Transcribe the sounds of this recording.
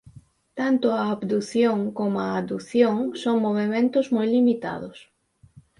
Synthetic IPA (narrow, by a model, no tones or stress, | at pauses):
t̪ant̪ʊaːβd̪uθjoŋkomʊaːd̪uθjoŋsoŋmoβ̞emẽnt̪ʊzmojlimit̪a̰ðʊs